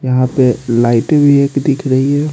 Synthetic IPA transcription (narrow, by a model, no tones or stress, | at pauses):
jɐɦãpelaːɪʈbʱieːkd̪ɪkʰɾɐɦiɦɛː